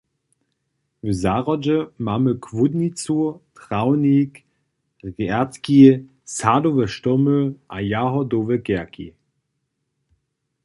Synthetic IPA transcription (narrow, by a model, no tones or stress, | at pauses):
vəzaʁɔd͡ʒəmaməkʰvudnit͡suːɐtʁawnik | ʁaɐtki | sadovəʃtɔmøʔajaɦɔdoːvəkɛɐkḭ